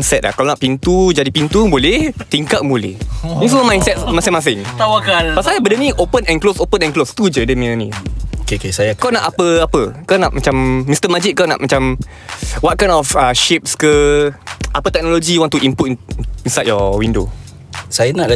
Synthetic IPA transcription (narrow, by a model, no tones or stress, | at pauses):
nsɛt̪̚la̰kalonaʔpint̪ud͡ʒadipint̪ubolɛht̪iŋkat̚bolɛ̰hĩs̬uməmajnsɛt̪̚masɪŋmas̬ɪŋt̪awakanpasajabədənĩʔopənɛ̃nklosopənɛ̃nklost̪ud͡ʒədəmĩənḭ̃okekesajaawnaʔapəapəkawnaʔmat͡ʃamːist̪əmad͡ʒɪʔ̚kawna̰ʔmat͡ʃam | wat̚kajnɔfəʃip̚skə | ʔapət̪ɛk̚noloɡiwãŋt̪uʔimput̪̚ĩnsajt̚jɔwindo̰ | sajanaʔl